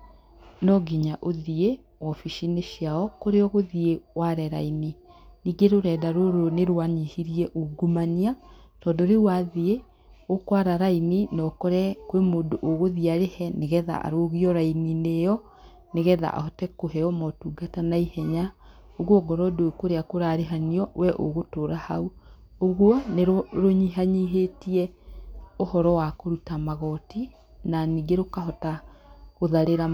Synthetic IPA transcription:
nɔɡiɲaʔoðie | wɔfiʃineʃiaɔkoɾeɔɣoðiewaɾɛɾa̰ininiːɡeɾoɾɛːdaɾoɾoneɾwaɲihiɾiɛʔoɡumania | tɔdoɾewaðie | okwaɾaɾaininɔkɔɾɛkwemoːndoʔoɣoðiaɾehɛneɣɛða̰ʔa̰ɾoɣiɔɾaininejɔ | neɣɛða̰ʔa̰hɔtɛkoɦɛɔmɔtuːɡatanaihɛɲa | oɣwɔɡɔɾɔdokoɾeakoɾaɾeɦaniɔwɛʔo̰ɣotoːɾahau | oɣwɔneɾɾoɲiɦaɲiɦetiɛ | ohɔɾɔwakoɾutamaɣɔti | naniːɡeɾokaɦɔtaɣoðaɾeɾa

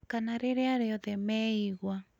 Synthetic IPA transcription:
kanaɾeɾeaɾeɔðɛmɛiɣwa

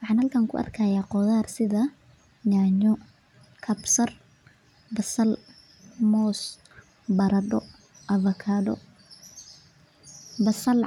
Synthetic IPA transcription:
wɑħɑːnhɐlkʰaːŋkʰʊ̰ʔɐ̰rkʰaːjaːqɔðaːrsɪðɐ | ɲaːɲɔ | kʰɐbsɐr | bɐsɐl | mɔːs | bɐɾɐɖɔ | ʔɐvɐkʰaːɖɔ̰ | bɐsɐl

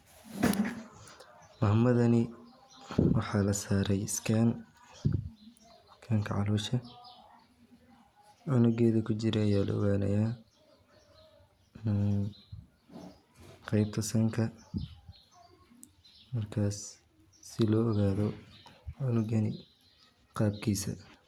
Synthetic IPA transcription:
mɐɦɐmɐðɐnɪ | wɑħɑːlɐsaːɾɛjskʰan | skʰaːŋkʰɐʕɑluːʃɐ | ʕʊnʊɡɛːðɐkʰʊt͡ʃɪɾɛɐjaːlɐ̰ɔ̰ɣaːnɐ̰jaː | qɛjb̚t̪ʰɔsɐŋkʰɐ | mɐrkʰaːsː | ɪlɔːɔɣaːðɔʕʊnʊɡɐnɪ | qɑːb̚kʰiːsɐ̰

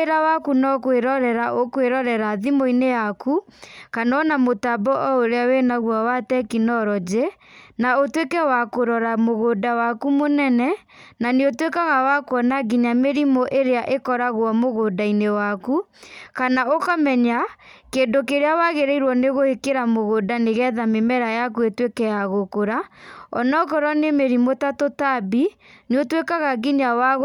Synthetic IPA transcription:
ɾawakunɔkweɾɔɾɛɾaʔokweɾɔɾɛɾaðimoinejakʰukanɔnamotabɔʔɔoɾeawenaɣwawatɛkinɔɾɔd͡ʒe | naotwekɛwakoɾɔɾamoɣodawakumonɛnɛ | naneotwekaɣawakwɔnaɡiɲameɾimoʔeɾeaʔekɔɾaɣwɔmoɣodainewaku | kanaokamɛɲakendokeɾeawaɣeɾɛiɾwɔneɣohekeɾamoɣodaneɣɛðamemɛɾajak̬uetwekɛjaɣokoɾaɔnɔkɔɾɔnemeɾimotatotabi | neotwekaɣaɡiɲawaɣ

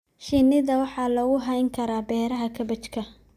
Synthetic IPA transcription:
ʃɪnɪðɐwɑħɑːlɔːɣʊɦɐjŋkʰɐɾaːbɛːɾɐɦɐkʰɐbɐt͡ʃkʰɐ

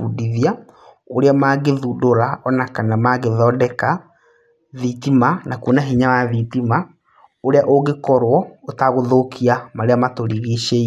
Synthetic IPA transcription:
udiðia | oɾeamaɣeðudoɾaɔnakanamaɣeðɔdɛka | ðitimanakonaɦiɲawaðitima | oɾeaʔoɣekɔɾwɔotaɣoðokʰiamaɾeamatoɾiɣiʃe

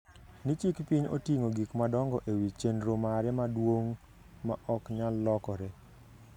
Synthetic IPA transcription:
nit͡ʃikpiɲo̰tiŋoɡikmadɔŋɡɔʔewit͡ʃenɾomaɾɛmadwoŋ | maʔɔkɲalːɔkɔɾɛ

